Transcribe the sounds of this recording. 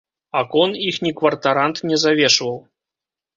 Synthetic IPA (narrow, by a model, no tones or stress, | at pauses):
akɔnixnʲikvɐrt̪aɾant̪nʲɛzavʲɛʂvɐw